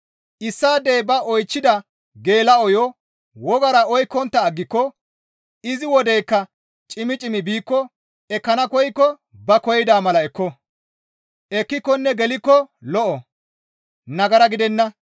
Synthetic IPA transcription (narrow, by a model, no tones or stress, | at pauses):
ʔɪsːaːd̪eːbɐɔjt͡ʃːɪd̪ɐ | ɡe̞ːlɐɔjɔ | wɔɡɐɾɐɔjkːɔnt̪ːɐːɡːɪkːɔ | ɪzɪwɔd̪ɛjkːɐ | t͡ʃʼɪmɪt͡ʃʼɪmɪbiːkːɔ | ɛkːɐnɐkɔjɪkːɔ | bɐkɔjɪd̪aːmɐlɐɛkːɔ | ɛkːɪkːɔnːɛɡɛlɪkːɔlɔʔɔ | nɐɡɐɾɐɡɪd̪ɛnːɐ